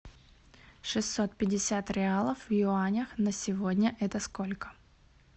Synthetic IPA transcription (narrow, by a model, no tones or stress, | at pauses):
ʂɨsʲːot̪̚pʲɪdʲɪsʲat̪ɾʲɪalˠəfvjʊanʲəxnəsʲɪvodʲnʲəʔɛt̪əsko̞lʲkə̥